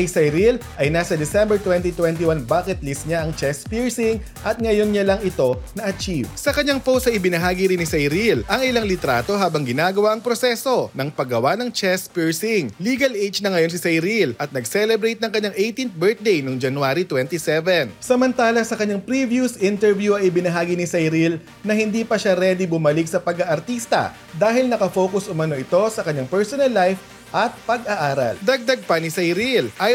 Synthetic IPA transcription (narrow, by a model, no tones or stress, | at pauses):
ɐjsɐjɾilʔɐjnaːsɐd̪ɛsɛmbɛɹt̪wɛnt̪it̪wɛnt̪̬iwanbaːkɛt̪list̪̚ɲaʔɐŋt͡ʃɛspiɹsɪŋ | ʔɐt̪̚ŋɐjo̞nɲalɐŋɪt̪o̞nɐʔɐt͡ʃivsɐkɐɲːaŋpowsɐʔɪbɪnɐɦaːɡiɾinɪsɐjɾilʔɐŋɪlaŋlɪt̪ɾaːt̪o̞ɦaːbɐŋɡɪnaːɡɐwaʔɐŋpɾo̞sɛso̞nɐŋpɐɡɐwanɐŋt͡ʃɛspiɹsɪŋliːɡɐlʔejt͡ʃnɐŋɐjo̞ns̬ɪsɐjɾilʔɐt̪̚nɐɡsɛlɛbɾejt̪̚nɐŋkɐɲːaŋʔejt̪int̪̚bɛɹt̪̚d̪ejnoŋd͡ʒɐnʊaːɾit̪wɛnt̪isɛvɛnsɐmɐnt̪aːlɐsɐkɐɲːaŋpɾivjusʔɪnt̪ɛɹvjuɐŋʔɪbɪnɐɦaːɡinɪsɐjɾil | nɐhɪnd̪iːpɐʃaɾɛd̪ibʊmɐlɪk̚sɐpɐɡɐʔɐɾt̪ist̪ɐ̰ | d̪aːɦɪlnɐkɐfo̞ːkʊsʔʊmɐno̞ʔɪt̪o̞sɐkɐɲaŋpɛɹsonɐlːajf | ʔɐt̪̚pɐɡɐʔaːɾɐ̰ld̪ɐɡ̚d̪ɐɡ̚pɐnisɐjɾilʔɐ